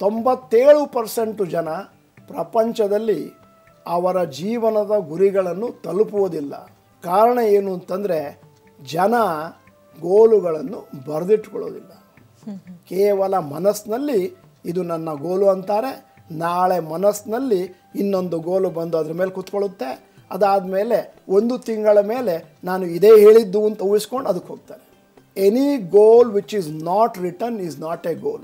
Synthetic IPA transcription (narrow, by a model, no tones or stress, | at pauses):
t̪o̞mbɐt̪ːeːɭupɐɾse̞ɳʈud͡ʒɐnɐ | pɾɐpɐɲt͡ʃɐd̪ɐlːi | ɐʋɐɾɐd͡ʒiːʋɐnɐd̪ɐɡuɾiɡɐɭɐnːut̪ɐlupuʋoːd̪ilːɐ̰ | kaːɾɐɳeeːnuɐnt̪ɐnd̪ɐɾe̞ | d͡ʒɐnɐ | ɡoːluɡɐɭɐnːubɐɾɐd̪iʈːkɔɭo̰ːd̪ilːɐ | kɛːʋɐlɐmɐnɐsnɐlːiː | d̪unɐnːɐɡoːluɐnt̪aːɾe̞ | naːɭe̞mɐnɐsnɐlːi | inːo̞nd̪uɡoːlubɐnd̪uɐd̪ɐɾɐme̞ːlekut̪koɭut̪ːe̞ | ɐd̪aːd̪ɐme̞ːle̞ | ond̪ut̪iŋɡɐɭɐme̞ːle̞ | naːnuid̪e̞ːɦe̞ːɭid̪ːuɐnt̪ɐuiskoɳɖɐd̪ukːɦoːɡ̚t̪aːɾe | eniɡoːlʋit͡ʃiznaːʈɾiʈɐniznaːʈeɡoːl